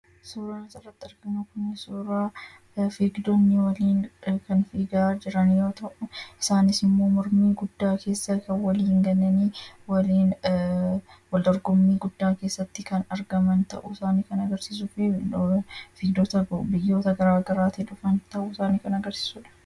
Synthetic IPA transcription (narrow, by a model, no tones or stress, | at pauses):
suːɾaːnɪsɐrːɐt̪ːɪɐɾɡɐmɐkʊnːɪsuːɾaː | fiːɡd̪ɔnːɪwɐliːnkɐnfiːɡaːd͡ʒɪɾɐnjo̞ːt̪ɐʔʊɪ̥saːnɪsɪmːo̞ːmɔɾmiːɡʊd̪ːaːkʰe̞ːsːɐkɐnwɐliːŋɡɐnːɐniːwɐliːn | wɐld̪ɔɾɡɔmːiːɡʊd̪ːaːke̞ːsːɐt̪ːɪkɐnɐɾɡɐmɐnt̪ɐ̰ʔʊɪsaːniːkɐnɐɡɐɾsiːs̬ʊfi | fiːɡd̪oːt̪ɐbɪjːo̞ːt̪ɐɡɐɾaːɡɐɾaːt̪iᶑʊfɐnt̪ɐʔʊɪsaːniːkɐnɐɡɐɾsi̥ːsuːᶑɐ̥